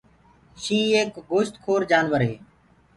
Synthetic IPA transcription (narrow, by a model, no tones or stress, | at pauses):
ʃĩːeːkɡoːʃt̪kʰoːɾd͡ʒaːnʋəɾɦeː